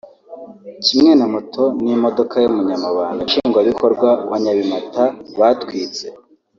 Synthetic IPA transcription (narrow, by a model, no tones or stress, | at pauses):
cimŋe̞namotʰo̞nimo̞do̞kajomuɲamaβaːŋɡaʃiːŋɡwaβiko̞ɾɡwawaɲaβimataβatwiːt͡se̞